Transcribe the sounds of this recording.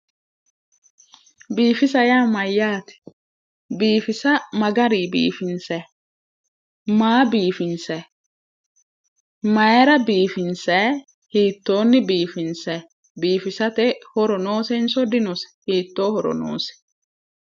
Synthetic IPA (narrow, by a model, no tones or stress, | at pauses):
biːfɪsɐjaːmɐjːaːt̪ɛ̥ | biːfɪsɐmɐɡɐɾiːbḭːfɪnsɛ | maːbiːfɪnsɛ | mɐjɛɾɐbiːfɪnsɛ | hiːt̪ːo̞ːnːɪbiːfɪnsɛ | biːfɪsɐt̪ɛhɔɾɔnoːsɛnsɔd̪ɪnɔsɛ̥hiːt̪ːo̞ːhɔɾɔ̰no̰ːsɛ̥